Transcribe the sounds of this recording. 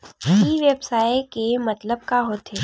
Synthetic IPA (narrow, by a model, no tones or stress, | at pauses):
iʋeːbsaːekemɐt̪ləb̚kaɦoːt̪ʰeː